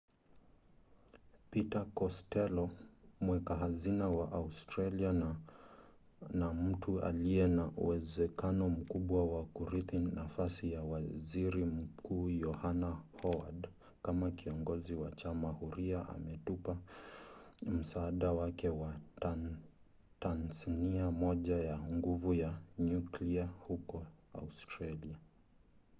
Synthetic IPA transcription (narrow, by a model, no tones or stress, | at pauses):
pitakɔstɛlɔmwɛkaɦazinawaʔaustɾalia | nam̩tʰua̰liɛnaʔṵwɛzɛkanɔm̩kuɓwawakuɾiθinafasijawaziɾim̩kʰuːjɔhanahɔwa̰d | kamakiɔŋɡɔziwat͡ʃamahuɾiaʔa̰mɛtupa | m̩saːɗawakɛwa | tanzaniamɔʄajaŋɡuvujaɲukliahukɔa̰ustɾalia